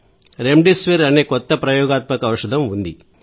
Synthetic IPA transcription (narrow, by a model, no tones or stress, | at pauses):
ɾemɖisʋeɾɐne̞ːkɔt̪ːɐpɾɐjɔːɡaːt̪mɐkɐʋɐʂɐd̪ɐmund̪i